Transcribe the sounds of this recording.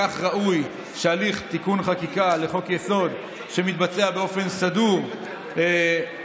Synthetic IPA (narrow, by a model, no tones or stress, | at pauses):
aχʁaʔuj | ʃealiχt̪ikunχakikale̞χo̞kjeso̞d̪ | ʃe̞mit̪̚bat͡se̞abe̞o̞fe̞nsaduʁ | e